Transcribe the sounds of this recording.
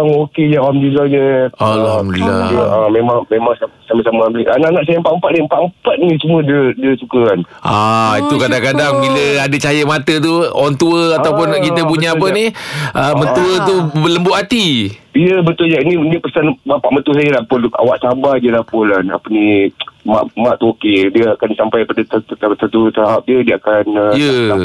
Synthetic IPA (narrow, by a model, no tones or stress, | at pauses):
ŋoked͡ʒawamdilad͡ʒəalamdlla̰amemaŋmemaŋsasamasamaablianaʔnaʔsajəmpaʔəmpat̪̚nimpaʔmpat̪̚nisumũədədiəsukəan | ʔait̪ukadaŋkadaŋbiləadət͡ʃajəmat̪ət̪uɔnt̪uəat̪awpʊnkit̪əp̬uɲaːp̬əniʔəməntt̪uət̪uələmbʊʔat̪i | iəbət̪ʊljainidiəpəsanmapaʔmət̪us̬ajəlapʊla̰waʔsabadiəlahpʊlana̰pənima̰ʔmaʔt̪okediəakansampajpadat̪t̪ət̪ut̪aɦap̚diədiəakanəjə